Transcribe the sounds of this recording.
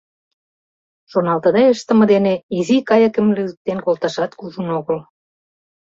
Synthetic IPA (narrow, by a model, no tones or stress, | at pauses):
ʃonɑlt̪əd̪ɑeʃt̪ə̆mə̆d̪eneizikɑjə̆kə̆mlyzək̚t̪enkolt̪ɑʃɑt̪kuʒənoɣəl